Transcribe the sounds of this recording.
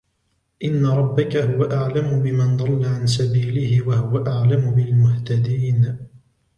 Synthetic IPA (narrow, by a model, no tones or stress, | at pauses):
ʔɪnːaɾˤɑbːakahʊwaʔaʕlamʊbɪmand̪ˤɑlːaʕansabiːlɪhɪwahʊwaʔaʕlamʊbɪlmʊht̪ad̪iːn